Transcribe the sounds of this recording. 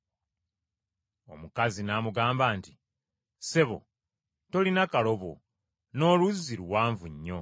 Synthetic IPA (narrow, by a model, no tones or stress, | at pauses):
o̞mukazinamuɡaːmbaːnti | se̞βo̞̰ | to̞linakalo̞βo̞̰ | no̞ːluzːiɾuwaːɱvuɲːo̞